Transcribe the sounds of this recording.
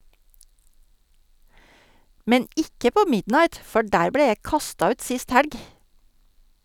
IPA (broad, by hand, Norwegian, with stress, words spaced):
ˈmɛn ˈɪkə ˈpoː ˈmɪdnɑɪt ˈfɔ ˈɖæːɾ ˈbleː ˈjæɪ ˈkɑstɑ ˈʉːt ˈsɪst ˈhæɽɡ